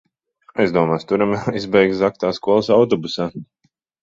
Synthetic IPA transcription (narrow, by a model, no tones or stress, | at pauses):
ajzd̪uɔmaːst̪uɾamaizbɛjk̪zak̚t̪aːskuɔlˠsawt̪ɔbusaː